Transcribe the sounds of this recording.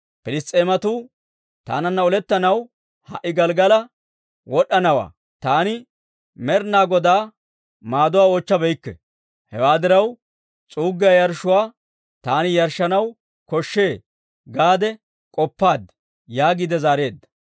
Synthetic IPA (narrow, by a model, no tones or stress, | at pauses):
pɪlɪst̪ʼeːmɐt̪uː | t̪a̰ːnɐnːɐɔlɛt̪ːɐnɐw | hɐ̰ʔɪɡɐlɡɐlɐ | wɔɗɐnɐwa̰ː | t̪aːnɪ | mɛɾnaːɡɔd̪aː | maːd̪ʊwaːoːt͡ʃːɐbɛjkːɛ̰ | hɛwaːd̪ɪɾɐw | t͡sʼuːɡːɪjajɐɾʃʊwaː | t̪aːnɪjɐɾʃːɐnɐw | kɔʃːe̞ː | ɡaːd̪ɛ | kʼɔpːaːd̪ | jaːɡiːd̪ɛzaːɾe̞ːd̪ːɐ̥